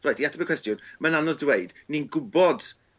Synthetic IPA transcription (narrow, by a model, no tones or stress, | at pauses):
rajtʰiatʰəbikwɛstjʊnmənanɔðdweɨdninɡʊbɔd̥